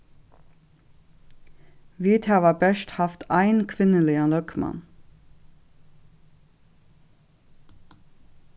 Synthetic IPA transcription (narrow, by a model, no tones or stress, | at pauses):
ʋiːt̪ʰɑːʋɑbæʃthɑft̪ʰæɪnkʰʋɪnəlɪɑnlœkmɑ̰n